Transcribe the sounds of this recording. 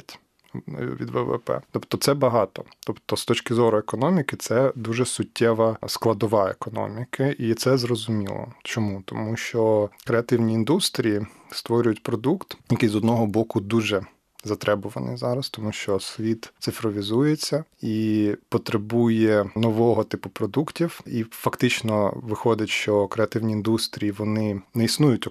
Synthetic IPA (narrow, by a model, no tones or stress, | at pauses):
tʲ | ʋʲḭd̪ʋɛ̰ʋɛ̰pɛ̰t̪ɔpt̪ɔt̪sɛbɐɦɑt̪ɔt̪ɔpt̪ɔst̪ɔt͡ʃkɪzɔɾʊekɔnɔmʲikɪt̪sɛd̪uʒɛsʊtʲʰːɛʋɐsklˠɐd̪ɔʋɑḛkɔnɔ̰mʲikʰɐʔit̪sɛzɾɔzʊmʲḭlˠɔ̰t͡ʃɔmut̪ɔmuʃt͡ʃɔkɾeɐt̪ɪwnʲiːnd̪ust̪ɾʲiji | st̪ʋɔɾʲʊjʊtʲpɾɔd̪ukt̪jɐkɪjzɔd̪nɔɦɔbɔkʊd̪uʒɛ | zɐt̪ɾɛbʊʋɐnɪ̰jzɑɾɐst̪ɔmuʃt͡ʃɔsʲʋʲit̪t̪sɪfɾɔʋʲizujet͡sʲːɐipɔt̪ɾebujɛnɔʋɔɦɔt̪ɪpʊpɾɔd̪uktʲiwifɐkt̪ɪt͡ʃnɔʋɪxɔdʲɐtʲʃt͡ʃɔkɾeɐt̪ɪwnʲiːnd̪ust̪ɾʲijiʋɔnɪnɛisnujʊtʲ